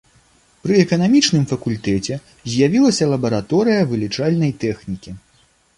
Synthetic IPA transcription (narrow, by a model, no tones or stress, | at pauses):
pɾɨɛkɐnamʲit͡ʂnɨmfɐkulʲt̪ɛt͡sʲɛ | zʲjavʲilˠɐsʲɐlˠɐbɐɾat̪ɔɾɨjɐvɨlʲit͡ʂalʲnɐjt̪ɛxnʲikʲi